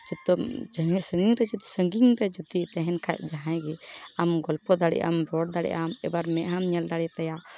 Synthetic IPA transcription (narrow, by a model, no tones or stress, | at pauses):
d͡ʒut̪ɔd͡ʒəsə̃ŋɡiŋɾɛd͡ʒut̪i̥səŋɡiŋɾɛd͡ʒut̪it̪ɛɦɛnkʰaʔ̚d͡ʒaɦãj̃ɡɛamɡɔlpɔd̪aɽḭʔa̰mɾɔɽ̚d̪aɽɛ̰ʔamɛbaɾmɛʔɦamɲɛld̪aɽit̪ɛja